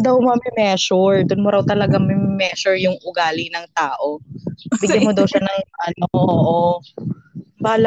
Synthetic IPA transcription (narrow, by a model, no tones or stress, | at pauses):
d̪ɐwmɐmɛmɛːʃʊɹd̪ʊnmoɾɐwt̪ɐlɐɡamɛmmɛːʃʊɹjʊŋʔʊɡaːlɪŋnɐŋt̪aːʔo̞bɪɡjɐmod̪ɐwʃanɐŋʔɐnoʔoːʔo | baːlɐ